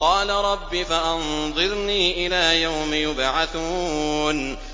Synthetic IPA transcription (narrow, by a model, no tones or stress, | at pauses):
qɑːlaɾˤɑbːifaʔɑnðˤɨɾniːʔɪlaːjawmɪjʊbʕaθuːn